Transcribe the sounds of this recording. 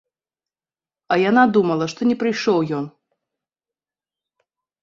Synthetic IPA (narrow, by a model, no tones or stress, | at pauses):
ɐjanad̪umɐlˠɐʂt̪ɔnʲɛpɾɨjʂɔwjɔn